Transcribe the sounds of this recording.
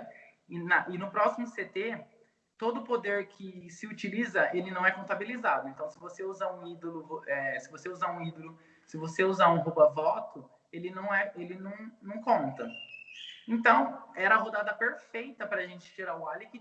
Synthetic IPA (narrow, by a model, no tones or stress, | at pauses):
ɪnɐʔɪnʊpɾɔsimʊset̪e | t̪od̪ʊːpod̪eɾkʰɪsɪut͡ʃilizɐelɪnɐ̃w̃ɛkõnt̪abilizad̪ʊẽnt̪ɐ̃w̃sɪvoseuzaɾũid̪olʊvoʔɛsɪvoseuzaɾũid̪olʊ | sɪvoseuzaɾũɦubɐvɔt̪ʊ | elɪnɐ̃w̃ɛelɪnɐ̃w̃nɐ̃w̃kõnt̪ɐ | ẽnt̪ɐ̃w̃ɛɾɐɐɦod̪ad̪ɐpeɾfejt̪ɐpɾɐaʒẽnt͡ʃɪ̥t͡ʃiɾaʊalikɪ